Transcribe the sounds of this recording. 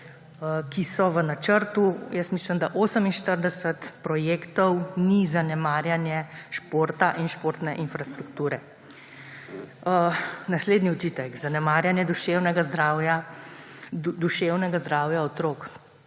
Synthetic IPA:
kisɔʋənat͡ʃəɾt̪ujəsmiːsləmd̪aʔoːsəminʃt̪əɾd̪ɛsət̪pɾɔjeːkt̪ɔwnizanɛmaːɾjanjɛʃpoːɾt̪aʔinʃpoɾt̪nɛʔinfɾast̪ɾukt̪uːɾɛ | nasleːd̪niɔt͡ʃiːt̪ɛkzanɛmaːɾjanjɛd̪uʃewnɛɡazd̪ɾawja | d̪uʃewnɛɡazd̪ɾaːwjaɔt̪ɾoːk

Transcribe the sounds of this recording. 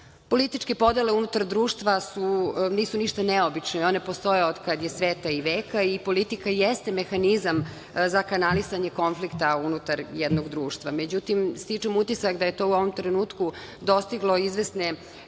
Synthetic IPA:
po̞lit̪it͡ʃke̞po̞d̪ele̞unut̪aɾd̪ɾuːʃt̪ʋasuniːsuniʃt̪aneobit͡ʃnoo̞ne̞po̞st̪o̞jeod̪kad̪jesʋeːt̪aiʋeːkaipo̞lit̪ikajest̪e̞me̞xanizam | zakanalisaɲe̞ko̞nflikt̪aunut̪aɾjɛd̪noɡd̪ɾuːʃt̪ʋamed͡ʑut̪imst̪it͡ʂemut̪isakd̪aje̞t̪o̞uo̞ʋo̞mt̪ɾenuːt̪ku | d̪o̞st̪iɡlˠo̞izʋesne

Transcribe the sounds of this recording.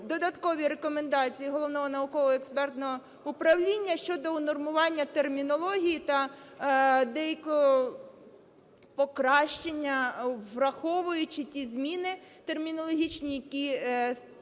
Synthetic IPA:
d̪ɔd̪ɐt̪kɔʋʲiɾekɔmend̪ɑt͡sʲijiɦɔlˠɔʋwnɔɦɔnɐʊkɔʋɔekspɛrt̪nɔɦɔ | ʊpɾɐwlʲinʲːɐʃt͡ʃɔd̪ɔnɔrmʊʋɑnʲːɐt̪ermʲinɔlˠɔɦʲijit̪ɐ | d̪ɛjɐkɔɔ | pɔkɾɑʃt͡ʃenʲːɐʋrɐxɔʋʊjʊt͡ʃɪtʲizmʲinɪt̪e̞rmʲinɔlˠɔɦʲit͡ʃnʲijɐkʲi

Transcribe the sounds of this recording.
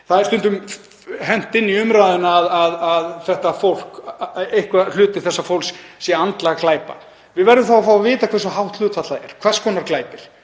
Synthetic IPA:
θaðɪɾ̥st̪ʏnt̪ʏm | ɦɛn̥t̪ɪnːiʏmɾaːðʏnaːðaðaðθɛht̪afowl̥kejhkval̥ʏːt̪ɪɾ̥θɛsːafowlssjɛant̪laɣaklaːjpa̰ | vɪðvɛɾðɪmθawafawavɪːt̪akʰvɛrsʏɦawht̪l̥ʏːt̪fat̪laðɛ̰ɾ̥kʰvɛrskʰɔːnaɾklaːjpɪɾ̥

